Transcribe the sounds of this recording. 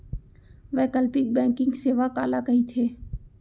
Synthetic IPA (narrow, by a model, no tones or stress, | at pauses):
ʋɛːkəlpɪk̚bɛ̃ːŋkɪ̃ŋɡseːʋaka̰ːlakɐɦit̪ʰeː